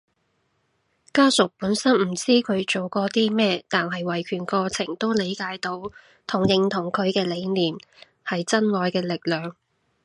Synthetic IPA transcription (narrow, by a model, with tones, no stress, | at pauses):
kaː˥sʊ˨˩k̚puː˨˥nsɐ˥nm̩˨˩t͡siː˥kʰɵ˨˧ɥt͡so˨wkɔː˧t̪iː˥mɛː˥t̪aː˨nɦɐ˨jwɐ˨˩jkʰyː˨˩nkɔː˧t͡sʰɪ˨˩ŋt̪o˥wle˨˥jkaː˨˥jt̪o˨˥w | t̪ʰʊ˨˩ŋjɪ˧ŋt̪ʰʊ˨˩ŋkʰɵ˨˧ɥkɛː˧le˨˧jliː˨˩m | hɐ˨jt͡sɐ˥nŋɔː˨˧jkɛː˧lɪ˨k̚lœː˨˩ŋ